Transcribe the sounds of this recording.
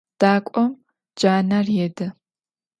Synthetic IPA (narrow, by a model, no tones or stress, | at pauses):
d̥aːkʷʼɔm | d͡ʒaːnɐrjɛdɐ